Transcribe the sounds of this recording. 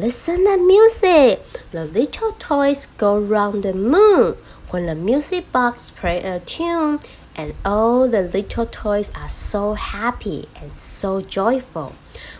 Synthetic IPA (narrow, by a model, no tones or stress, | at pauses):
lɪsə̃ntəmjuzɪk̚ðəlɪtʰəlˠtʰɔɪsɡ̥oʊɹãʊ̃nðəmũn | wɛ̃nðəmjuzɪk̚b̥ɑkspʰɹ̥eʔətʰũn | ʔɛ̃nɔlðəlɪtʰəl̩tʰɔɪzasoʊhæpʰḭʔɛ̃nsoʊd͡ʒɔɪfʊ̰lˠ